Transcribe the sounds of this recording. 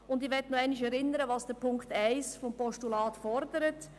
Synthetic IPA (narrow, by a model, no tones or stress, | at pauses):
ʊndɪʋɛtnuɛɪnɪʃɛɾɪnəɾəʋɑːsd̥ɛpʰʊŋktæɪsfɔmpɔʃtulɑːtfɔɾdəɾət